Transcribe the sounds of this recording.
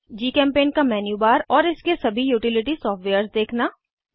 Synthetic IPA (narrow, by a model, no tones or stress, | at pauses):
d͡ʒiːkɛ̃ːmpeːnkamɛːnjuːbaːɾɔːɾɪskesɐbʱijuːʈɪlɪʈisɔːfʈʋeːəɾsd̪eːkʰnaː